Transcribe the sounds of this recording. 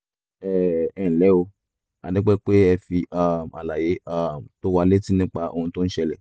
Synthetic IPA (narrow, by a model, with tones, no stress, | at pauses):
ɛ˦˨ɛ˦˨lɛ˨˦o˧ | a̰˧dɛ˦k͡pɛ˦k͡pe˦ɛ˧fi˧a˦˨m˨a˨la˨je˨˦a˦m̩˨to˦wa˧le˦ti˦nĩ˦k͡pa˧ʔo̰˧hũ˧to˦n̩˦ʃɛ˧lɛ˨